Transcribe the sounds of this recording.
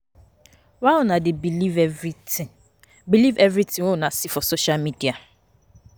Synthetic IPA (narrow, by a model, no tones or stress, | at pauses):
walnãdɪbilivɛvi | bilivɛvɾitʰɪ̃ŋonãsɪfɔsoʃalmidia